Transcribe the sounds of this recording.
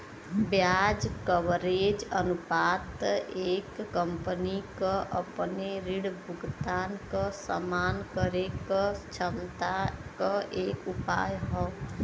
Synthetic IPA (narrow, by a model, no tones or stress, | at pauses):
bjaːd͡ʒkəʋɾeːd͡ʒənupaːt̪eːkːəmpənikəʔəpneɾiɽbʊɡt̪aːnkəsə̰maːnkəɾekət͡ʃʰəmt̪akəʔeːkupa̰ːjɦɔː